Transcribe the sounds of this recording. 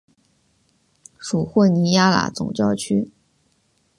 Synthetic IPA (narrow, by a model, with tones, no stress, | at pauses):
ʂu˨˩xwə˥˩ni˧˥ja˥la̰˨˩˥t͡sʊ̰˨˩ŋt͡ɕjɑ˥˩ʊt͡ɕʰy˥